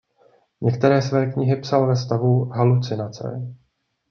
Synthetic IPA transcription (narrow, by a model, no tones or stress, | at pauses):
ɲɛkt̪ɛɾɛːsvɛːkɲɪɦɪpsalvɛst̪avuɦalut͡sɪnat͡sɛ̰